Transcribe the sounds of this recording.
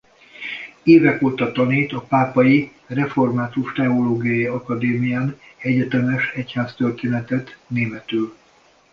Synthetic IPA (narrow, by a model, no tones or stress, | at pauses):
eːvɛkoːt̪ɒt̪ɒneːt̪ɒpaːpɒji | rɛfo̞rmaːt̪uʃt̪ɛoloːɡijɒjiɒkɒd̪eːmijaːnɛɟɛt̪ɛmɛʃɛchaːst̪ørt̪eːnɛt̪ɛt̪neːmɛt̪yːl